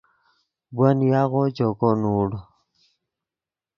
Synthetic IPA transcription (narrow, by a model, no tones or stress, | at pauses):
bwanjaɣɔt͡ʃɔkɔnuːɽɔ